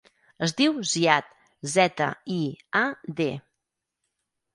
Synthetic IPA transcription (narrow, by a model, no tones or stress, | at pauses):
əzd̪iwziat̪ | zɛt̪ə̰iad̪e